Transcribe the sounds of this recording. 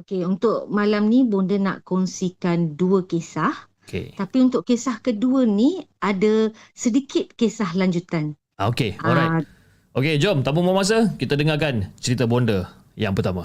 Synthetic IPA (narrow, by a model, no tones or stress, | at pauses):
okeunt̪ʊʔ̚malamnibondəna̰ʔkɔnsikanduəkesah | kḛt̪apiunt̪ʊʔkesahkəduəniadasədikɪt̪̚kesahlaɲd͡ʒut̪an | aokeaɔlɾajt | ʔoked͡ʒɔmt̪ampoŋmamas̬akit̪adəŋakant͡ʃəɾit̪abondə | jaŋpərt̪ama